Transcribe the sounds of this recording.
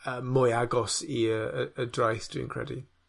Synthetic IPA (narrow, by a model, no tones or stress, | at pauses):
əmʊjaɡɔsiəəːdrajθd̥ḭ̃ːnkʰɹ̥ɛ̰di